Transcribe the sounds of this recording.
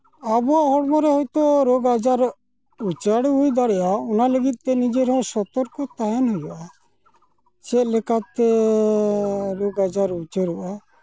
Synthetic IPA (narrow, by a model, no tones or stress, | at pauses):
abɔaʔɦɔɽmɔɾɛɦɔjt̪ɔɾɔɡad͡ʒaɾ | ut͡ʃaɽɦujd̪aɽɛjaɔnaləɡit̪̚ːɛnid͡ʒeɾɛɦɔ̃sɔt̪ɔɾkɔt̪aɦɛnɦɔjɔʔa | t͡ʃɛlɛkat̪ɛ | ɾoɡad͡ʒaɾut͡ʃəɾuʔa